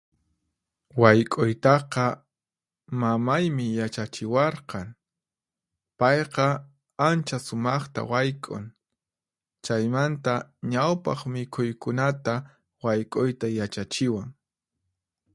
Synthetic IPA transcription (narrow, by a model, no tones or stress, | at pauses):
wajkʼʊjt̪ɑqɑ | mamajmɪjat͡ʃat͡ʃɪwɑɾqɑŋ | pɑjqɑ | ant͡ʃasʊmɑχt̪a̰wajkʼʊ̰ŋ | t͡ʃajmant̪aɲawpɑ̰χmɪkʰʊjkʊnat̪a | wajkʼʊjt̪ajat͡ʃat͡ʃɪwaŋ